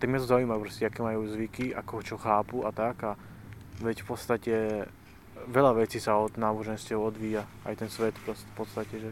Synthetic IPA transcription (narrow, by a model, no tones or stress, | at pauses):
t̪aɡmɪjat̪ɔzauiːmajupɾɔscɛakɛːmajuːzʋikiʔa̰kɔɦɔt͡ʃɔxaːpuat̪aɡa | ʋɛcfpɔt̪st̪acɛ | ʋɛʎaʋɛt͡siːsaɔd̪naːbɔʒɛnscɛʊɔd̪ʋiːja | a̰jt̪ɛnsʋɛt̪pɾɔ | pɔt̪st̪acɛʒɛ